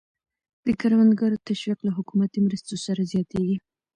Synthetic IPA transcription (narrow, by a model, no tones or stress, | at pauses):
d̪̥əkaɾwand̪ɡɑɾot̪aʃwiqlaɦʊkumat̪imɾəst̪osaɾazjɑt̪eɡi